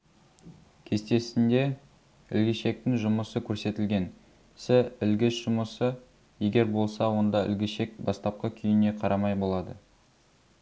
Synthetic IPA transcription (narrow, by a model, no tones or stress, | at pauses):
kʲʰe̞st̪e̞sɪnd̪e̞ | ɪlɡʲɪʃe̞k̚t̪ɪŋʒʊməsəkʲʰɵɾse̞t̪ɪlɡʲe̞n | sɪɪlɡʲɪsʒ̥ʊməsə | je̞ɡʲe̞ɾbo̞lˠsɑwo̞nd̪ɑɪ̰lɡʲɪʃe̞k̚bɑst̪ɑp̚qəkʲʰʏjɪne̞qʰɑɾɑmɑjbo̞lˠɑd̪ə